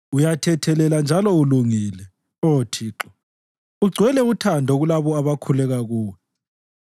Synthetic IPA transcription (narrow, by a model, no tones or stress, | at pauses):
ujatʰɛtʰɛlɛland͡ʒʱalɔuluŋiːlɛ | otʰiːǁɔ | uɡ͡ǀʱwɛlɛutʰandʱɔɣulaβɔaβakʰulɛɣaɣuːwɛ